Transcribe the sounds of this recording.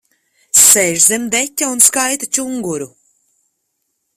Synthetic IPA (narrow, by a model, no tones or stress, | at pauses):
sɛʒzɛmd̪ɛcʲːaunskajt̪at͡ʃuŋɡuɾu